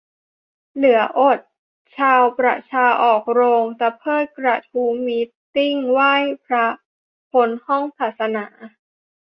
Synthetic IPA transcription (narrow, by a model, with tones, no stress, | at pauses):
lɯ˩˦ɐʔo˨˩t̪̚ | t͡ɕʰaː˧wkɾa̰˧˩t͡ɕʰaː˧ʔɔː˨˩k̚ɾoː˧ŋt̪aː˨˩pʰɤː˥˩t̪̚kɾa˧˩t̪ʰuː˦˥miː˧˦˥ | t̪i˥˩ŋwaː˥˩jpʰɾa˦˥ | pʰo˧˥nhɔ˥˩ŋpʰaː˨˩t̪̚sa˧naː˩˦